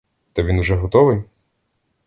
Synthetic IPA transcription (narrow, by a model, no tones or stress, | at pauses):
t̪ɐʋʲinʊʒɛɦɔt̪ɔʋɪj